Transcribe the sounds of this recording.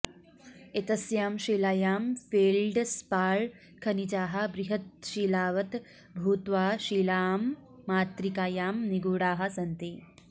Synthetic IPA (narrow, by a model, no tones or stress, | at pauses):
et̪ɐsjaːmʃiːlaːjaːmfeːlɖspaːɭ | kʰɐnid͡ʒaːɦɐ̆bɾiɦɐt̪̚ʃiːlaːʋɐt̪ | bʱuːt̪ʋaːʃiːlaːmːaːt̪ɾikaːjaːmniɡuːɽaːɦɐ̆sɐnt̪eː